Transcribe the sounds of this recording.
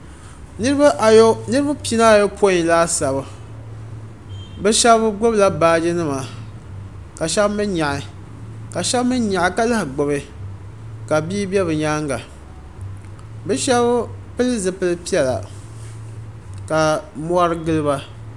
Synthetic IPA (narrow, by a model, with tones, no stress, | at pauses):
nɨ˦bnɨ˦ɾɨ˦ba˦pi˦na˦˨jo˦pʰo˦ĩ˨laː˦sa˨bɨ˨ | bɨ˦ʃɛ˦bɨ˦ɡ͡bo˦bla˦baː˦d͡ʒɨ˦nɨ˦ma˨ | ka˨ʃɛ˦bmɨ˦nɲa˨ʔɪ˨ | ka˨ʃɛ˦bmɨ˦nɲa˨ɪ˨ka˦la˦hɡ͡bʊ˨bɨ˨ | ka˨biː˦bɛ˦bɨ˨ɲaː˦ŋɡa˨ | bɨ˦ʃɛ˦bpɨ˦lɨ˦zɨ˨pɨ˦lɨ˦pi˦ɛ˦˨la̰˨ | ka˨mɔ˦a˦ɾɨ˦ɡɨ˦lɨ˦ba˦